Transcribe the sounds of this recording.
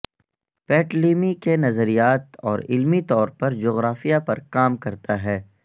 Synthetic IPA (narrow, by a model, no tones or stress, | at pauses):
pɛːʈliːmikenɐzəɾijaːt̪ɔːɾɪ̰lmit̪ɔːɾpɐɾd͡ʒoːɣɾaːfijapɐɾkaːmkɐɾt̪aɦɛː